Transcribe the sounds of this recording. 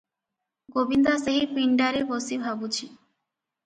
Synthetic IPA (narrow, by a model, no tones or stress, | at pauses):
ɡobind̪aseɦipiɳɖaɾebosibʱabut͡ʃʰi